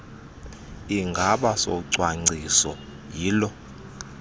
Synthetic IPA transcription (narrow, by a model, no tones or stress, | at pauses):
iŋɡʱaɓasɔ̰ǀwaŋ͡ǀʱisɔ | jiːlɔ